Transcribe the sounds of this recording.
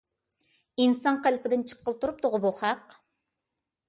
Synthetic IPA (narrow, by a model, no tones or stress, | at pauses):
insɑŋqælpʰɪd̪ɪnt͡ʃʰə̥qːəlˠt̪ʰuɾup̚t̪ʰʊʁʊbuχæq